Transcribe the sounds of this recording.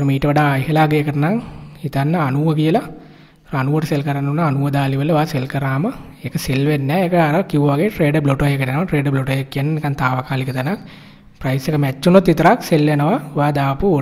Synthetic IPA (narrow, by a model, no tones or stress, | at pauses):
ɐɾumiːʈəʋɐɖaːɐjɦɐlaːɡeekəʈɐnaŋhit̪anːɐːnuʋəkijəla | ɾoanuʋəʈɐselkɐɾanːunːaanuʋəd̪aːliʋəlːəʋaːselkɐɾaːmə | ekəselʋenːɛːekɐaɾɐkiʋɐʋaɡeːʈɾeːɖəbloʈojekɐʈenəʋaʈɾeːɖbloʈojekːijɐnːekant̪aːʋakaːlikət̪ɐnak | pɾajsekəmɛt͡ʃːunot̪ːit̪ɐɾakselʋenəʋaʋaːd̪aːpuo